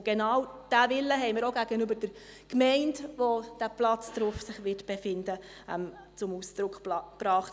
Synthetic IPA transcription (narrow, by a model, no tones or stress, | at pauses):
ɡ̥enɑːwd̥æʋɪlːəɦɛɪməɾoɡæɡənybəɾd̥əɾ | kmɛɪndʋod̥æplɑt͡sd̥ɾʊfsɪχʋɪtb̥efɪndə | ɛ̰mt͡sʊmuːsd̥ɾʊkχb̥ɾɑːχt